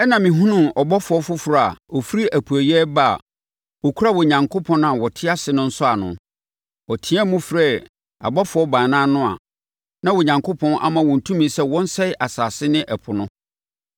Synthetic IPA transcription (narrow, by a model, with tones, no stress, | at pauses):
ɛ˦nã˨mĩ˨ɦũ˦nʊ̃˨mɔ˨bɔ˦fʊ˨˦ɔ˦fʊ˦fɾa˦˨a̰˨ɔ˨fi˦ɾi˦ʔæ˨pʰu˨æ˨jɛ˦ba̰˦˨ | wɔ˨kʰu˦a˦wɔ˨ɲã˨ŋkʰo˦pʰɔ̃˦ñ˦a˨wɔ˨tʰɪ˦a˦sɪ˨˦nʊ̃˦n̩˦sʊ˦a˨nʊ̰̃˨ | ɔ˨tʰĩ˦ã˦mũ˦fɾɛ˦˨ | a̰˨bɔ˦fʊ˨ɔ˦bãː˨nãː˦nʊ̃˦a̰˨ | nã˦wɔ˨ɲã˨ŋkʰo˦pʰɔ̃˦nʔa̰˦mã˨wɔ̃˨n̩˨tʰũ˦mĩ˨˦sɛ˦wɔ̃˦n̩˦sɛ˦ɪ˦ʔa˨saː˨sɪ˦nɪ̃˦ʔɛ˨pʰʊ˨nʊ̃˦